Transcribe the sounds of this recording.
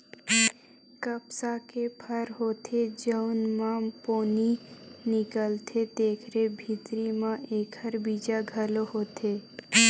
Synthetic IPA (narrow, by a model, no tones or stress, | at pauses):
kəpsakepʰəɾɦoːt̪ʰed͡ʒəʊnmãpoːninɪkəlt̪ʰed̪eːkʰɾebʱit̪ɾimãʔeːkʰəɾbid͡ʒaɡʱəloɦoːt̪ʰe